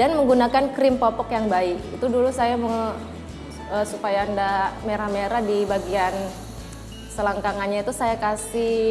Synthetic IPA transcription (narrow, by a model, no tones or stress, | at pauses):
danməŋɡunakankɾɪmpɔpɔkjaŋbaɪkit̪udulusajamə | əsupajaːndameɾahmeɾadibaɡian | səlaŋkaŋanɲait̪usajakasi